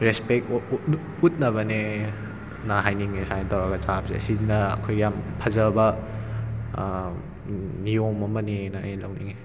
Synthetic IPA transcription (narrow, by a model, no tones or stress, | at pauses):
ɾespek̚ | ut̚nɐbɐne | naɦajniŋesajntawɾɐɡɐt͡ʃapzḛɐ̰sinɐɐ̰kʰojɡjampʰɐzɐbɐ | nijomɐmɐnenajlawniŋe